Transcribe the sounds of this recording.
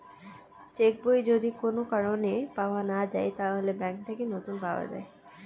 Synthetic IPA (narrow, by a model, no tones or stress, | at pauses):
t͡ɕek̚bojd͡ʑod̪ikonokaɾonepaoanad͡ʑaet̪aɦolebɛŋk̚ʈʰakenot̪unpaoa̰d͡ʑa̰e